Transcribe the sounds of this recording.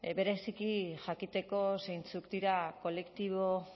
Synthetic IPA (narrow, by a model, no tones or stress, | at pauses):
be̞ɾe̞sikiʝakit̪e̞ko̞sejnt͡sukd̪iɾako̞le̞kt̪iβo̞